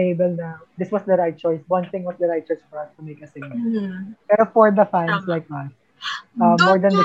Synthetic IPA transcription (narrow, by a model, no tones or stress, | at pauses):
eɪbɛlnawd̪ɪswʌsd̪ɐɹaɪt̪̚t͡ʃɔjswʌ̃nθɪ̃ŋwɔsd̪ɐɹajt̚t͡ʃɔɹsfɔɹɐst̪ʊmeɪkɐsɪɡ̚nɐpɛɾofɔɹd̪ɐfãnslaɪk̚ðas | ɐmːɔɹd̪ɐ̃nd̪ə